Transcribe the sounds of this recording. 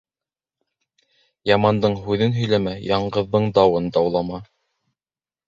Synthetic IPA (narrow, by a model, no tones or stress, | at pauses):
jɑmɑnd̪ɤɴɦʉðɘnɦɵ̆jlæmæjɑɴɢɤ̆ðːɤɴd̪ɑwɤnd̪ɑwlˠɑmɑ